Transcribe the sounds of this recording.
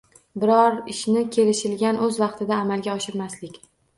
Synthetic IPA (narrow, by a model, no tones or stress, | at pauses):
bɪɾɒɾɪʃnɪkʲʰe̞lɪʃɪlɡʲanʔɵzvɑqt̪ʰɪd̪aːmalˠɡʲaɒʃɪɾmaslɪkʲ